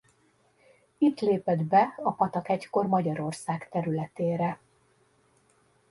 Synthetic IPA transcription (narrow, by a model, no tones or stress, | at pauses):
it̪leːpɛd̪bɛɒpɒt̪ɒkɛcko̞rmɒɟɒɾo̞rsaːkt̪ɛɾylɛt̪eːɾɛ